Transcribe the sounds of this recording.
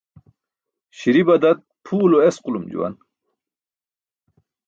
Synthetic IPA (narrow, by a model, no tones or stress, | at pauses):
ɕiɾibɐd̪ɐt̪̚pʰuːloesqulumd͡ʑṵwɐ̰n